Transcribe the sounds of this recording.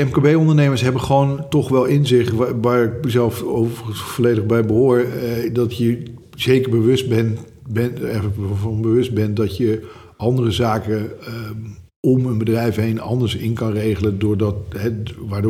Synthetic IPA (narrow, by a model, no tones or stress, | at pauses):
ɛmkabejɔndəɹnejməɹsɦɛbəχəʋoːntɔχʋɛlˠɪnzɪχʋaːɹɪkəzɛlˠfovəvolejdəχbɛjəbəɦʊːɹdɑtjə | z̥ejkəɹbəʋɵsbɛn | bɛɛəvɑnbəʋɵst̚bɛntdɑtjə | ʔɑndərəzaːkə | ɔmənbədrɛjfɦejnɑ̰ndəɹsɪnkɑnrejχələndʊːɹdɑtɦɛʋaːd